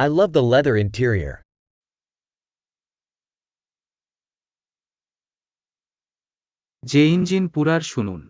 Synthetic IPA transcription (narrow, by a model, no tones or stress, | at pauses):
aɪlʌvðəlɛðə˞ɪ̃ntʰiɹiə̰˞ | d͡ʑeind͡ʑinpuɾaɾʃunṵn